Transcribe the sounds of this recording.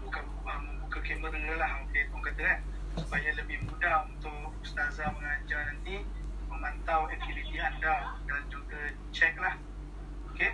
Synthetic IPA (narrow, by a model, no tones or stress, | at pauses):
buka | aməbukəkeməɾəŋəlahmukap̪ʊŋkət̪əɛʔ̚ | supajaləbɪhmudaunt̪ʊk | ust̪azaməŋaɲd͡ʒarnant̪i | məmant̪awɛnt̪ilit̪iandadand͡ʒuɡə | t͡ʃɛk̚lah | mukɪ